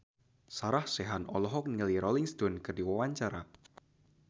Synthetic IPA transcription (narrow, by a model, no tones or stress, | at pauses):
saɾahseɦanɔ̰lɔɦɔk̚niliɾɔliŋst̪onkərdiwawaɲt͡ʃaɾa